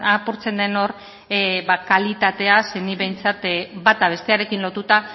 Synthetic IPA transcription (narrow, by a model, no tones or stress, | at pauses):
apuɾt͡se̞nd̪e̞no̞ɾ | bakalit̪at̪e̞ase̞niβe̞jnt͡sat̪bat̪aβ̞e̞st̪e̞aɾe̞kinlo̞t̪ut̪a